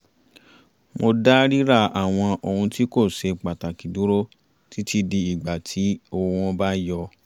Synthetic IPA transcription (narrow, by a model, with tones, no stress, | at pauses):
mo˧da˦ɾi˦ɾa˦˧˨a˨w̃ɔ̃˧o˨hũ˧ti˦ko˦˨ʃe˧k͡pa˨ta˨ki˨du˨˦ɾo˦ | ti˦ti˧di˧i˨ɡ͡ba˨tʰi˨˦o˧˨˦w̃ɔ̃˧ba˦jɔ˧